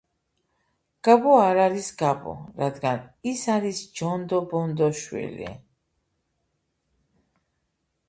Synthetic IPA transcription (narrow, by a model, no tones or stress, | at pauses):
ɡ̥abɔaɾaɾisɡabɔ̰ɾad̪ɡanisaɾisd͡ʒɔnd̪ɔbɔnd̪ɔʃwḭlḭ